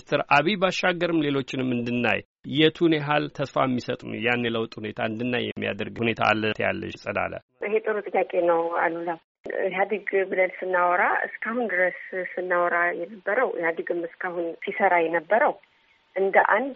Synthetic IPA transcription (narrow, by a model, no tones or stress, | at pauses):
st̪ʰɨɾaβibaʃːaɡːəɾɨmle̞lo̞t͡ʃːɪnɨmːɨnd̪ɨnːa̰j | jɛt̪ʰunjaɦalt̪ʰəsfamːisət̪ʼunjanːjɛləwt̪ʼhune̞t̪ʰaɨnd̪ɨnːajːɛ̰mːija̰d̪əɾɡhune̞t̪ʰa̰ːlːət̪ʰja̰lːə̰ʃsʼəda̰lə̰ | ʔɨɦet̪ʼɨɾut̪ʼɨjjakʼe̞nəwa̰lulaw | ɨɦad̪ɨɡbɨlənsɨnːawɔɾaɨ̰skʰahund̪ɨɾəsːɨnːawɔɾajɛnəbːəɾəwhad̪ɨɡɨmɨskʰahunsisəɾajɛnəbːəɾəw | ʔɨnd̪əʔand̪